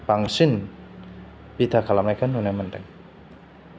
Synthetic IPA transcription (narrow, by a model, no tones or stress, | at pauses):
paŋsɪn | b̥id̪akalamakanːunɛmənt̪ɛ̰ŋ